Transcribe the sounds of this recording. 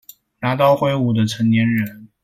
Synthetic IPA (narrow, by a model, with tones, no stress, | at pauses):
na˧˥t̪ɑ˥˧ʊxwe˥˩ɪu˥˩d̪ə˨t͡sʰə˧˥ŋt̪jɛ˧˥nɻə˥˧˥n